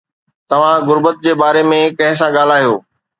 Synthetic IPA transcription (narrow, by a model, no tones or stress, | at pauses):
t̪ɐʋ̤ãɣʊɾbət̪̚d͡ʑeːbaːɾemẽkɐ̃ɦɪ̃s̬ãɠaːl̤aːɦijoː